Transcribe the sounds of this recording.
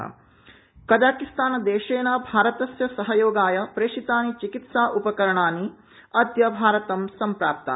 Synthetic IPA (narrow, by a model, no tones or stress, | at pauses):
kɐd͡ʒaːkist̪aːnɐd̪eːʃeːnaːbʱaːɾɐt̪ɐsjɐsɐɦɐjoːɡaːjɐpɾeːʃit̪aːnit͡ʃikit̪saːʔupɐkɐɾɐɳaːni | ɐd̪jɐbʱaːɾɐt̪ɐmsɐmpɾaːp̚t̪a̰